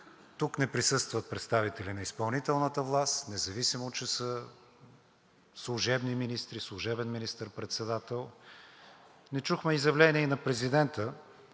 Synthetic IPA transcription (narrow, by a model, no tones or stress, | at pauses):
t̪uknɛpɾisɤst̪vət̪̚pɾɛt̪st̪avit̪ɛlinɐispɐlˠnit̪ɛlˠnət̪əvlˠast̪nɛzɐvisimot͡ʃɛsə | slˠuʒɛbniminist̪ɾislˠuʒɛbɛnminist̪əɾpɾɛt̪sɛd̪at̪ɛlˠ | nɛt͡ʃuxmɛizjɐvlɛniɛinɐpɾɛzid̪ɛnt̪ə